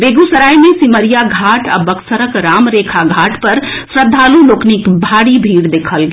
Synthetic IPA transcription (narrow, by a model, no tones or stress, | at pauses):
beɡusəɾajmesiməɾijaɡʱaʈa̰bəksəɾəkɾamɾekʰaɡʱaʈpəɾsɾəd̪ʱːaluloːknikbʱaɽibʱiːɾd̪ekʰəlɡe